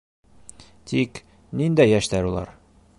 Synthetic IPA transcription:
t̪ik | nind̪æjæʃt̪æɾulˠɑ̰ɾ

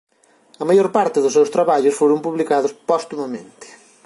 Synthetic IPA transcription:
ɐmajoɾpaɾt̪ɪðʊsːewst̪ɾaβaʎʊsfoɾʊmpuβlikaðʊspɔst̪unɐmḛ̃nt̪ɪ̥

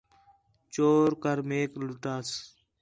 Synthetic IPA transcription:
t͡ʃoːɾkəɾmeːklʊʈaːs

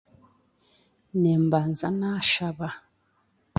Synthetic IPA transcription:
nɛmban̩zanaʃaba

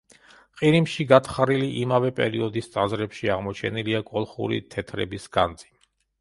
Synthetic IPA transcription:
qʼiɾimʃiɡat̪ʰχaɾiliʔimavɛpʼɛ̰ɾiɔd̪ist̪sʼazɾɛpʃiaʁmɔt͡ʃʰɛniliakʼɔlˠχṵɾḭt̪ʰɛt̪ʰɾɛ̰bisɡa̰nd̪z̥ʼi

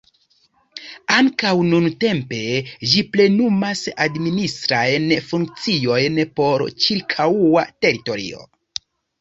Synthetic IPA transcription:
aŋkawnunte̞mpe̞d͡ʒiple̞numasadministɾajnfuŋk̚t͡sio̞jnpo̞ɾt͡ʃiɾkʰawwate̞ɾito̞ɾḭo̞̰

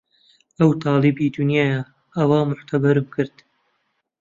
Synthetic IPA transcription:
ɐwt̪ʰɑːlɨbiːd̪ʊnjaːjɐ | ʔɐwaːmʊħt̪ʰɐbɐɾɨmkʰɨɾd̪̥

